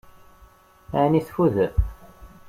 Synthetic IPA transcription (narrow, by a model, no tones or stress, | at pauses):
aniθfuðə